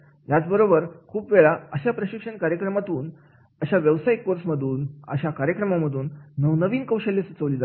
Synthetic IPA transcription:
jat͡sbəɾobəɾkʰuːpʋeɭaəɕapɾəɕikʂəɳkaɾjəkɾəmat̪uːn | əɕaʋjəʋsajkːoɾsməd̪ʱuːnə̰ɕakaɾjəkɾəmaməd̪ʱuːnːəʋnəʋiːnkəwɕəlːesut͡səʋliːd͡zat̪

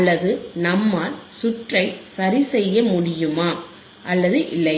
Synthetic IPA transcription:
lːɐðɯnɐmːaːɾsʊʈrɐɪsɐɾɪsɛjːɐmʊɽɪjɯmaː | ʔɐlːɐðɯʔɪlːɐɪ

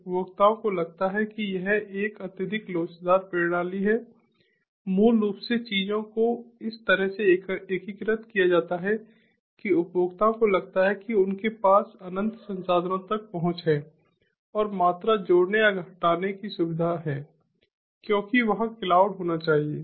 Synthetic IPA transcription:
ʊpjoːɡt̪aːõkolɐɡ̚t̪aɦɛkijɐɦeːkɐt̪ɪd̪ʱɪkloːt͡ʃd̪aːɾpeːɽ̃aːliɦɛ | muːlːuːpset͡ʃiːd͡ʒõkoɪst̪ɐɾəɦseekikɾət̪kijad͡ʒaːt̪aɦɛ | kiʊpjoːɡt̪aːõkolɐɡ̚t̪aɦɛkiʊnkepaːsɐnə̃nt̪sɐ̃nsaːd̪ʱnõt̪ɐk̚pɐɦʊ̃t͡ʃɦɛː | ɔːɾmaːt̪ɾad͡ʒoːɽneaɡʱɐʈaːnekisʊbɪd̪ʱaɦɛː | kjõːkiʋɐɦkɪlaːʊɽɦoːnat͡ʃaːɦieː

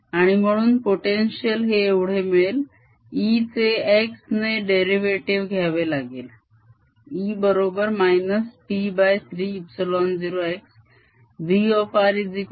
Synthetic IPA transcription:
aɽ̃im̤əɽ̃uːnpoʈenɕiəlɦeːʋɽ̤emel | it͡seeksneɖeɾiʋeʈiʋɡʱaʋelaɡel | ibəɾobəɾmajnəsʈibajt̪ʰɾiːpsilɔnd͡ziɾoeks | ʋiɔfaɾid͡zik

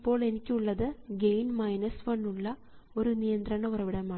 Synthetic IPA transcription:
pːo̞ːɭe̞nikʲːuɭːɐðɨɡe̞jnmɐjnɐsʋɐnːuɭːɐ | o̞ɾunijɐnd̪ɾɐɳɐurɐʋiɽɐmaː

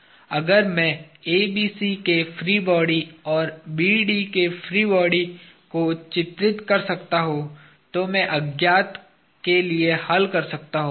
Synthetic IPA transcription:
ɐɡəɾmɛ̃ːeːbiːsikefɾiːbɔːɽiɔːɾbiːɖikefʰɾiːbɔːɽi | kot͡ʃɪt̪ɾɪt̪kɐɾsɐkt̪aɦõ | t̪omɛ̃ʔɐɡjaːt̪ | keliehɐlkɐɾsɐkt̪aɦõː

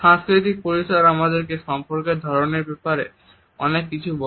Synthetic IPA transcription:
ʃãŋskɾit̪ik̚poɾiʃoɾamad̪eɾkeʃɔmpoɾkeɾd̪ʱɔɾoneɾbepaɾe | ɔ̰nekːit͡ɕʰubo

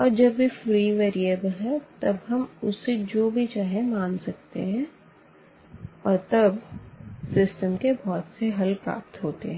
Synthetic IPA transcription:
ɔːɾd͡ʒɐbːifɾiːʋeːɾieːbəlɦɛt̪ɐbɦɐmʊsed͡ʒoːbʱit͡ʃaːɦẽmãːnsɐk̚t̪ḛɦɛ̃ | ɔːɾt̪ɐbsɪsʈəmkebʱɔːt̪seɦɐlpɾa̰ːp̚t̪ɦoːt̪ḛɦɛ̃

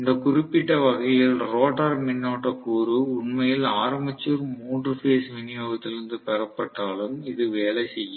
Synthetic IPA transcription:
ɪnd̪ɐkʊrɪpːɪʈːɐʋɐɣɐjɪlɾoːʈɐɾmɪnːoːʈːɐkuːɾɯʊɳmɐjɪlaːɾɐmbɪt͡ʃːuɾmuːɳɖrɯfeːsʋɪnɪjoːɣɐt̪ːɪlɪɾɯnd̪ɯpɛɾɐpːɐʈːaːlɯmɪðɯʋeːlɛsɛjːɯ

